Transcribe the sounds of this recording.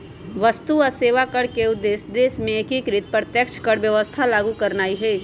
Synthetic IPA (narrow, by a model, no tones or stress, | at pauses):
ʋəst̪uɔɾseːʋakəɽkeʊd̪eːsd̪eːsmẽekikɾɪt̪̚pɾət̪jəkʃʰkəɽʋjəʋəst̪ʰalaːɡukɐɾnaːiɦɛː